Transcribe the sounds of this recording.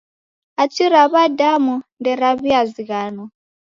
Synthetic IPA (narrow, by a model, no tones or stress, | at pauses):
at͡ʃʰiɾaβadamundɛɾaβiaziɣaːnɔ